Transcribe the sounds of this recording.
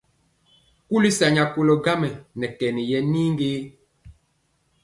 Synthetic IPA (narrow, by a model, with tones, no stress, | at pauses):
ku˦li˦sa˨ɲa˨ko˨lɔ˨ɡa˦mɛ˨nɛ˨kɛ˨ni˨jɛ˨niː˦ŋɡeː˦